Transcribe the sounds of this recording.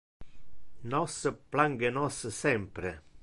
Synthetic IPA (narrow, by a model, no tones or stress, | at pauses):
nɔsəplaŋɡenɔssɛmpɾe